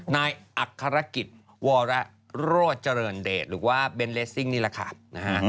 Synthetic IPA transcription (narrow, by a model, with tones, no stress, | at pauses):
naː˧jʔa˨˩kʰːa˧ɾa˦˥ki˨˩t̪̚ | wɔː˧ɾɛ˦˥ | ɾoː˥˩t̪̚t͡ɕa˧ɾɤː˧ndeː˨˩t̪̚ɾɯː˩˦waː˥˩be˧nleː˦˥sːi˥˩ŋniː˥˩lɛ˨˩kʰa̰˥˩na˦˧kʰa˦˥